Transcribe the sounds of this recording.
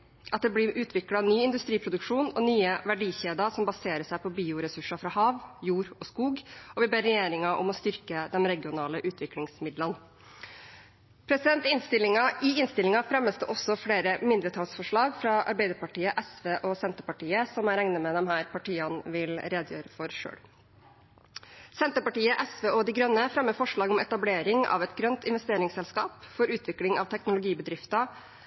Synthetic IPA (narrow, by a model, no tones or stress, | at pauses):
ʔɑt̪̚d̪ɛblɪɾʉːt̪ʰʋɪklɑnyːɪnd̪ʉst̪ɾiːpʰɾʊd̪ʉkʂuːnɔnyːəʋæɖiːçeːd̪ɑsɔmbɑseːɾəsæɪpʰɔbiːʊɾɛsʉʂɑfɾɑhɑːʋjuːɾɔskuːɡɔʋɪbeːɾːɛjeːɾɪŋɑʔɔ̰mɔst̪ʏɾkəd̪ɛnɾɛɡɪʊnɑːləʔʉːt̪ʰʋɪklɪŋsmɪd̪lən | pʰɾɛsɪd̪ɛnt̪ɪnst̪ɪlɪŋɑɪɪnst̪ɪlɪŋɑfɾɛmːəst̪əʔɔsɔfɽeːɾəmɪnd̪ɾət̪ʰɑːlsfɔʂɭɑːɡfɾɑʔɑ̰ɾbæɪd̪əɾpɑʈiːəʔɛsʋeːʔɔsɛnt̪əpɑʈiːəsɔmæɾæŋnəmɛd̪ɛmhæːɾpɑʈiːɑnʋɪlɾeːd̪jø̰ːɾəfɔɾʂø̰ːɽ | sɛnt̪əpɑʈiːəʔɛsʋeːɔd̪iɪɡɾœnːəfɾɛmːəfɔʂɭɑːɡɔmɛt̪ɑbleːɾɪŋɑ̰ʋɛt̪ɡɾœnt̪ɪnʋɛst̪eːɾɪŋsɛlskɑːpfɔɾʉːt̪ʰʋɪklɪŋɑ̰ʋt̪ʰɛknʊlʊɡiːbəd̪ɾɪft̪ɑ